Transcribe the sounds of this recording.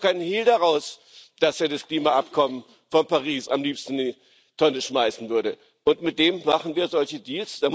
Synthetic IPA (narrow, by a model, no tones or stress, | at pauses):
kʰaɪnənhiːldaʁaʊs | d̥asʔeːɐdaskl̥iːmaʔapkʰɔmən | fɔnpaʁiːsa̰mliːpstn̩diː | tʰɔnəʃmaɪsn̩vʏɐɾə | ʔʊntmɪt̚d̥eːmmaχn̩viːɐzɔlçədiːlsd̥aː